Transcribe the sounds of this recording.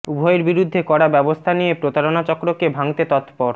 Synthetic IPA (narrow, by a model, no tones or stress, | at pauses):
ubʱɔeɾbiɾud̪ʱːekɔɽabɛbost̪ʰanijepɾot̪aɾonat͡ɕɔkɾokebʱaŋt̪et̪ɔt̪pɔɾ